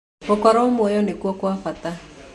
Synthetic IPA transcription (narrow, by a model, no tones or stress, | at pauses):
okɔɾɔomwɔjɔnekwɔkwafat̪a